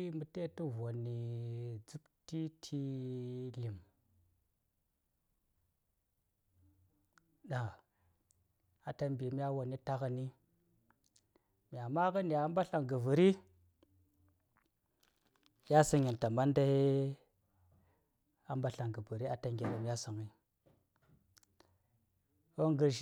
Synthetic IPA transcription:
mu˨te˦tu˦vo˨ni˨d͡zu˦pti˦tʰi˦li˨m | ɗa˨ | a˨ta˨mbi˨mʲ˦a˦wo˨ni˦ta˦ɣə˨ni˦ | mʲ˨a˨ma˦kə˦ni˨a˦mba˦ɬa˨ŋɡə˨və˨ɾi˦ | ja˦sə˨˦ŋi˨nta˨ma˦nda˦ | a˦mba˦ɬa˨ŋɡə˨bu˨ɾi˦a˨ta˨ŋɡʲe˨ɗa˨m˦ja˦sə˨ŋi˦ | wo˦ŋɡə˨ɾʃ

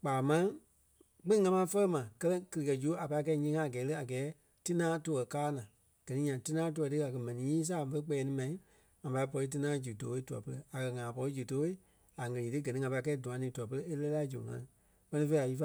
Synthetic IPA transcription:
k͡paː˨mã˦ | k͡pĩ˦ŋã˧mã˧˦fə˦ə˦mã˨kɜ˧lɛ̃˦kɨ˧lɨ˨kɜ˨d͡ʒu˨˦a˨pa˧i˦˧k̬ɛ˧˦ɲĩː˧˦ŋã˦˨a˨ɡɛː˨˦lɨ˦a˨ɡɛː˨˦ | ti˦nãː˦toː˧˦ɣɜ˨kaː˦nãː˨ | ɡ̥ɜ˨nĩ˦ɲã˨ti˦nãː˦t̬o˧tɨ˦a˨kɜ˧mɛ̃˨nĩ˨˦ɲĩː˦s̬aː˦˨fə˧˦k͡pɛ˧˨ɛ˧nĩ˧mã˨ĩ˦ | ŋã˨pa˧i˦p̬ɔ˧i˧˦t̬ɨ˧nãː˦d͡ʒu˨to˧˦e˧˦tu˨ɔ̰˨pə˧lə˧a˨kɜ˧ŋãː˨pɔ˧i˦d͡ʒu˨to˨˦e˦ | a˨ŋə̃˨lĩ˨tɨ˦ɡɜ˨nĩ˦ŋã˨pa˧i˧kɛ˧˦i˦dũ˨ã˨nĩː˨˦tu˨ɔ˨p̬ə˧ɾə˧˦e˦lɛ˦la˦d͡ʒu˨ŋã̰˧˦ | k͡pɜ˧nĩ˧fe˧˦a˨ji˦fa˧

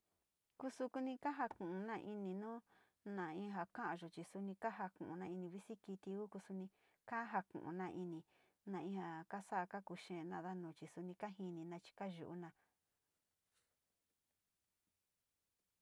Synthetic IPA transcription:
ku˦su˧ku˧nĩ˧ka˦ɦa˧kũ˨ũ˧nã˦˧ʔi˧nĩ˧nũː˦ | nã˨ĩ˧˦ɦa˨kã˦ʔã˧ʒo˨t͡ʃi˨su˧nĩ˧ka˦ɦa˧kṵ̃˨ũ˨nã˧i˧nĩ˧βi˦si˦ki˧t̪i˧u˦ku˧su˧nĩ˧ | ka˦ɦa˧kṵ̃˨ʔṵ̃˨nã˧ʔi˧nĩ˧ | nã˧ĩ˧ha˨ka˦sa˦ʔka˦ku˧ʃẽ˧nã˧ða˦nũː˨t͡ʃi˨su˧nĩ˧ka˦ɦi˧nĩ˧nã˧t͡ʃi̥˧ka˦ʒṵ˨ʔṵ˦nã˧

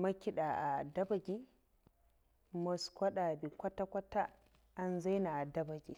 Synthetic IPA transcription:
ma˦kʲi˦ɗa˨ʔa˨dɐ˦ba˨ɡʲi˦ | mɔ˨skʷɐ˦ɗa˨bi˨kʷa˦ta˦kʷa˦ta˦ | a˨nza˦jna˨a˨dɐ˦ba˨ɡi˨

